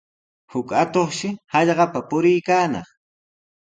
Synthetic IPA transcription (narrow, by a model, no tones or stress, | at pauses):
hʊkat̪oχʃɪhɑʎɢɑpapʊɾɪjkaːnɑ̰χ